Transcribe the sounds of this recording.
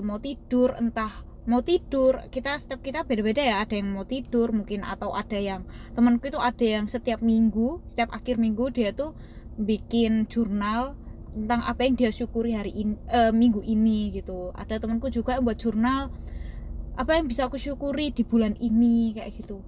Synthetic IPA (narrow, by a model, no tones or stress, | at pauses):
umawt̪id̥ʊrə̰nt̪ah | mawt̪id̥ʊrkit̪asə̥t̪iap̚kit̪ab̥edabedajaːd̥ajaŋmawt̪id̥ʊrmuŋkɪna̰t̪awʔad̥ajaŋt̪əmənkuit̪uʔad̥a̤jaŋsət̪iap̚miŋɡusə̥t̪iap̚a̰kɪrmiŋɡud̥iat̪u | bikɪnd͡ʒurnal | t̪ənt̪aŋʔa̰pajaŋdijaʃukuɾiɦaɾiʔnəmiŋɡuʔiniɡ̥it̪ua̰d̥at̪əmənkud͡ʒuɡambuat̪̚ʒ̥urnal | ʔapajaŋbisakuʃukuɾid̥i̤b̥ulaninikajʔa̰ɡ̥it̪u